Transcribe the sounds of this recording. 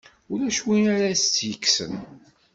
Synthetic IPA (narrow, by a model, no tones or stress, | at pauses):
ʊɾæʃwinaɾast͡sːjəkːsə̰n